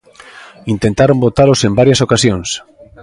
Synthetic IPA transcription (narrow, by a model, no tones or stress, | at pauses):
int̪ẽnt̪aɾombot̪alosembaɾjasokasjons